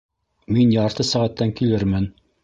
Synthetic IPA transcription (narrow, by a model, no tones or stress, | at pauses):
minjɑɾt̪ɤsæʁæt̪ːæŋkilɘɾmɘn